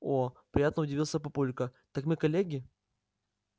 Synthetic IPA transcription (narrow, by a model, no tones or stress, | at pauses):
opɾʲɪjat̪nəʊdʲɪvʲilˠsʲəpɐpulʲkət̪akmɨkɐlʲeɡʲɪ